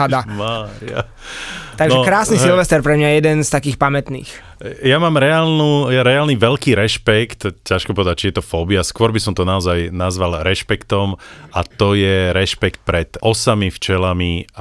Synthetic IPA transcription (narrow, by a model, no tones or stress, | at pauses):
ad̪amaːɾia̰ | t̪aɡnʒɛkɾaːsnisilʋɛst̪ɛɾpɾɛmɲajɛjɛd̪ɛnst̪akiːxpamɛt̪nḭːx | jamaːmɾɛaːlnujaɾɛaːlniʋɛlkiːɾɛʃpɛkt̪caʃkɔpɔʋɛd̪ac̚t͡ʃijɛt̪ɔfɔːbiaskʊɔɾbisɔmt̪ɔnaɔzajnazʋalɾɛʃpɛkt̪ɔmat̪ɔjɛɾɛʃpɛkt̪̚pɾɛt̪ɔsamift͡ʃɛlami